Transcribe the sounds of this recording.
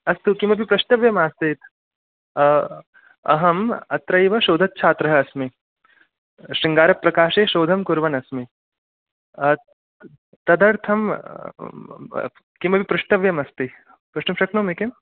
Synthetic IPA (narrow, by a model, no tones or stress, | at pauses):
ɐst̪ukimɐbipɾɐʂʈɐʋjɐmaːst̪it̪ | ɐ̰ɦɐmɐ̰t̪ɾɐjʋɐʃoːd̪ʱɐt̪̚t͡ʃʰaːt̪ɾɐɦɐːsmi | ʃiŋɡaːɾɐpːɾɐkaːʃeːʃoːd̪ʱɐmkuɾʋɐnɐsmi | t̪ɐd̪ɐɾt̪ʰɐm | kimɐpipɾɐʂʈɐʋjɐmɐst̪i | pɾuʂʈɐmʃɐknoːmekem